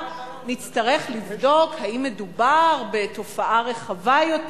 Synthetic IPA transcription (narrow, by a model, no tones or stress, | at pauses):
nitt͡staʁe̞χlivdo̞khaimːedubaʁbe̞to̞faʔaʁe̞χavajot